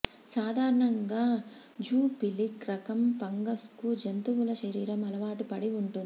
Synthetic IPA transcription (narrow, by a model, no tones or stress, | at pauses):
saːd̪ʱaːɾɐɳɐŋɡaː | d͡ʒuːpilikɾɐkɐmpɐŋɡɐskud͡ʒɐnt̪uʋulɐʃɐɾiːɾɐmɐlɐʋaːʈupɐɽiuɳʈund̪i